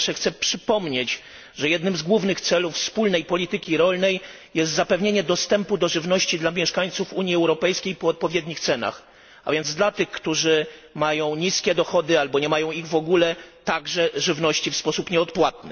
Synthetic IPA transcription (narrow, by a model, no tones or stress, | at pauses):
ʂɛxt̪sɛpʂɘpɔmɲet͡ɕ | ʐɛjɛd̪nɘmzɡwuvnɘxt̪sɛlufspulnɛjpɔlʲit̪ɘkʲiɾɔlnɛj | jɛst̪zapɛvɲeɲɛd̪ɔst̪ɛmpud̪ɔʐɘvnɔɕt͡ɕid̪lamʲjɛʂkaɲt̪sufuɲjiɛwɾɔpɛjskʲejpɔɔt̪̚pɔvʲjɛd̪ɲixt̪sɛna̰x | a̰vʲjɛnd̪zd̪lat̪ɘxkt̪uʐɘmajɔ̃w̃ɲiskʲɛd̪ɔxɔd̪ɘalbɔɲɛmajɔ̃w̃iɣvɔɡulɛt̪aɡʐɛʐɘvnɔɕt͡ɕifspɔsupɲɛɔt̪pwat̪̚nɘ